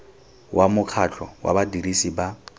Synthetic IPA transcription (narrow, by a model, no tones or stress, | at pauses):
wʔamʊkʰat͡ɬʰɔwa̰badiɾisiba